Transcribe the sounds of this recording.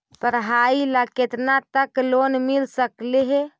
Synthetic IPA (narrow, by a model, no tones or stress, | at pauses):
pəɾɦailaket̪nat̪əklonmilsəkleɦe